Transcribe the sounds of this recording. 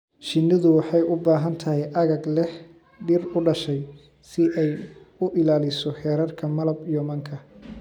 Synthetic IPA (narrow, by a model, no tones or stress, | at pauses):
ʃɪnːɪðʊwɑħɑjʊbaːɦɐnt̪ʰɐɦɛjʔɐɣɐɡlɛħ | ɖɪrʊɖɐʃɛj | sɪʔɛjʊʔɪlaːlɪsɔħɛːɾɐrkʰɐmɐlɐbijɔmɐŋkʰɐ